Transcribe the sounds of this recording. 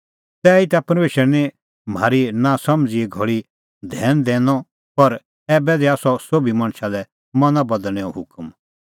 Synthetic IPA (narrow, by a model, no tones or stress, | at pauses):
t̪ɛːit̪apɐɾmeːʃəɾnɛ̃ | m̤aːɾinasɐ̃md͡zieɡʱɐɭi | d̪ʱɛːnd̪eːnɔ | pɐɾ | ɛːbɛd̪ɛaːsɔsoːbʱimɐ̃ɽ̃ʃalɛ | mɐnãbɐd̪əɽ̃ɛɔ̰̃ɦʊkm